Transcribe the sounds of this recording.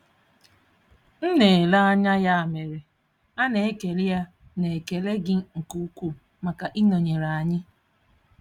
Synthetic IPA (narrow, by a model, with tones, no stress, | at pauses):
n̩˦ne˨la˦a˦ɲa˦ja˦a˨me˨ɾe˨ | a˦ne˨e˦ke˨li˦ja˦ | ne˨ke˨le˦ɡɪ˦ŋ̩˨ku˦kʷu˦ | ma˨ka˨ʔi˦no˨ɲe˨ɾa˨a˨ɲɪ˦